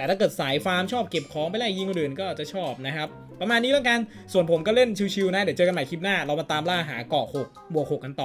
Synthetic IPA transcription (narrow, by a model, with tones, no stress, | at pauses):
t̪ɛː˨˩t̪ʰaː˥˩kɤː˨˩t̪̚saː˩˦jfaː˧˥mt͡ɕʰɔː˥˩p̚ke˨˩p̚kʰɔː˨˦ŋpa˧jlaː˧˥˩ji˥˩ŋ˧ɾɯː˨˩nkɔː˥˩ʔaː˨˩t͡ɕa˨˩t͡ɕʰɔː˥˩p̚na˦˥kʰa˦˥p̚ːɾa˧maː˧nːiː˦˥laː˦˥˩ka˧n | su˨˩ənpʰo˩˦mkɔː˥˩le˥˩nt͡ɕʰi˧wt͡ɕʰi˧wna˦˥d̪t͡ɕɤː˧a˧ma˨˩jkʰi˦˥p̚naː˥˩ɾa˧wma˧t̪aː˧mlaː˥˩ɦa̰ː˩˦kɔː˨˩hʰo˨˩k̚mu˨˩kʰho˨˩kːka˧nt̪ɔː˨˩